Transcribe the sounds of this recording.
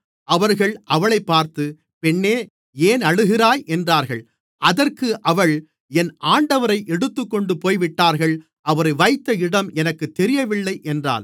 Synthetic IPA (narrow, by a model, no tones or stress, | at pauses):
ʔɐʋɐɾɣɐɭʔɐʋɐɭɐɪpːaːɾt̪ɯ | pɛɳːeː | eːnɐɽɯɣɪɾaːjʔɛndraːɾɣɐɭ | ʔɐðɐrkɯʔɐʋɐɭ | ɛnʔaːɳɖɐʋɐɾɐɪʔɛɽɯt̪ːɯkːɔɳɖɯpoːjʋɪʈːaːɾɣɐɭ | ʔɐʋɐɾɐɪʋɐɪt̪ːɐɪɽɐmʔɛnɐkːɯt̪ːɛɾɪjɐʋɪɭːɐɪʔɛndra̰ːl